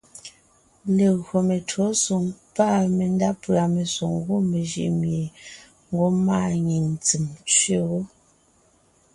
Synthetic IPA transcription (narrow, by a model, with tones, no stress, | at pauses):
le˨ɣɰo˨me˨to˨˦so˨ŋpa˦˨me˨n˦da˦pɰa˨me˨so˨ŋɡo˦me˨ʒḭ˨ʔmje˨ | ŋ̩˦ɡo˦ma˦˨ɲi˨n˨t͡si˨mt͡sɥe˦˨ɣo˦